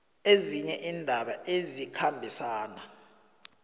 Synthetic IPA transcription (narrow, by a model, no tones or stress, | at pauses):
eziɲɛʔiːndʱaɓaʔezikʰambʱisaːna